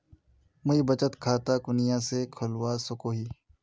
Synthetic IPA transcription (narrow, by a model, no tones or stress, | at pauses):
mʊibɐt͡ʃət̪kʰaːt̪akʊnɪjãːsekʰʊlwasʊkoːɦiː